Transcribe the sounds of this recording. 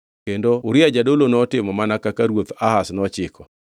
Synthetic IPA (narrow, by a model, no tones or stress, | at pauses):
kendouɾɪad͡ʒadolonɔtɪmɔmanakakaɾwot̪ahasnɔt͡ʃɪkʰɔ